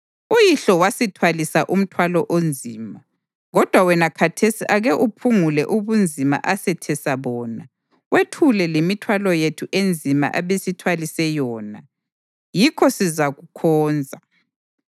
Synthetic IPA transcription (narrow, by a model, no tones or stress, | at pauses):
ujiɬɔwasitʰwalisaʔum̩tʰwalɔʔond͡zʱiːma | ɣɔd̥ʱwawɛnakʰatʰesiʔaɣɛʔupʰuŋulɛʔuβund͡zʱima̰ʔasɛtʰɛsaβɔːna | wetʰulɛlemitʰwalɔjetʰuʔend͡zʱima̰ʔaβesitʰwalisɛjɔːna | jikʰɔsizaɣukʰɔːnd͡zʱa